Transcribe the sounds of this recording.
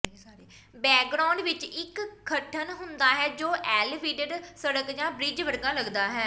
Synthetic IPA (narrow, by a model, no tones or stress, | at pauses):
bɛːk̚ɡɾaːɳɖʋɪt͡ʃɪkʰːəʈʰənɦʊnd̪aːɦɛːd͡ʒoːʔɛːlʋiːɖəɖsəɽəkd͡ʒãːbɾɪd͡ʒʋəɽɡãːləɡd̪aːɦɛː